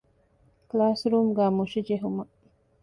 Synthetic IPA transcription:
klaːsɾuːmɡaːmuʃid͡ʒeɦumɐ

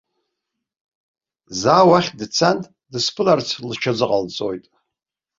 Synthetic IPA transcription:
zaːwaχʲdt͡sʰantʼ | dɨspʰɨlart͡sʰlt͡ʃʰad͡zɨqʼalt͡sʼojtʼ

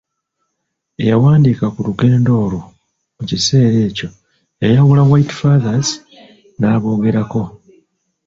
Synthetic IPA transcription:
e̞jawaːndikakuluɡe̞ːndo̞ːlo | mucise̞ːɾe̞ːco̞ | ejawulawajtfaðaz | naːβo̞ːɡe̞ɾako̞

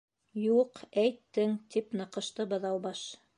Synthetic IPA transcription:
juqæjt̪ːɘŋt̪ipnɤ̆qɤ̆ʃt̪ɤbɤ̆ðɑwbɑʃ

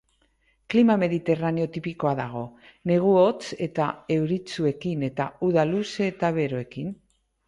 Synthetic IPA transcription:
klimame̞ðit̪e̞raneo̞t̪ipiko̞aðaɣ̞o̞ | ne̞ɣ̞uo̞t͡se̞t̪ae̞wɾit͡sue̞kine̞t̪auðaluset̪aβe̞ɾoe̞kin

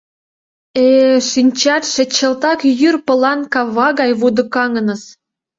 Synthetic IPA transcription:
eʃinʲt͡ɕɑt̪ʃĕt͡ɕə̆lt̪ɑkjyrpɤ̆lɑnkɑβɑɣɑjβud̪ɤ̆kɑŋə̆nɤ̆s

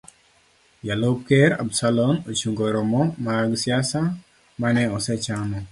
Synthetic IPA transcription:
jalop̚kɛɾa̰bsalonot͡ʃuŋɡoɾɔmɔmaɡsjasa | manɛɔsɛt͡ʃanɔ

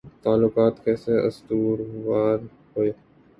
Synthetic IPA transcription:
t̪aːlːʊkaːt̪kɛːseːə̰st̪uːɾʋaːɾ | ɦoːeː

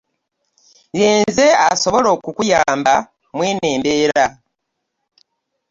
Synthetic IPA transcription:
jeːnze̞aso̞βo̞lo̞ːkukujaːmba | mweːne̞ːmbe̞ːɾa

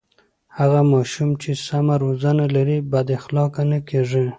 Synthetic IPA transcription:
haɣamɑʃumt͡ʃesamaɾozanalaɾibad̪ɪxlɑkanakeʐi

